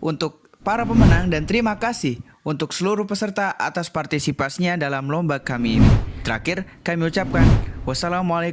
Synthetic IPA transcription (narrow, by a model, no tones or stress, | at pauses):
ʔunt̪ʊk̚ | paɾapəmənaŋdant̪əɾimakasɪh | unt̪ʊksəluɾʊhpəsərt̪aʔa̰t̪aspart̪isipasiɲadalamlɔmbakːamiːnḭt̪əɾakɪr | kamiut͡ʃap̚kanwasalamuala